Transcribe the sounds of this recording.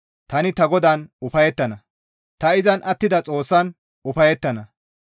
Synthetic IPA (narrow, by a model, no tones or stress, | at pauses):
t̪ɐnɪt̪ɐɡɔd̪ɐnʊfɐjɛt̪ːɐnɐ | t̪ɐɪzɐnʔɐt̪ːɪd̪ɐt͡sʼo̞ːsːɐn | ʊfɐjɛt̪ːɐnɐ